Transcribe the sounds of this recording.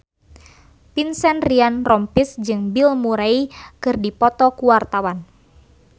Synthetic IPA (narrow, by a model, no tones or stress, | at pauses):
pinsɛnrianrɔmpisd͡ʒɨŋbilmuɾaikɨrdipɔt̪ɔkuwart̪awan